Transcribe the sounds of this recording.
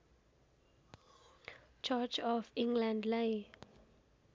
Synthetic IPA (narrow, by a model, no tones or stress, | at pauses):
t͡ʃʰat͡ʃɔfĩŋɡlãndle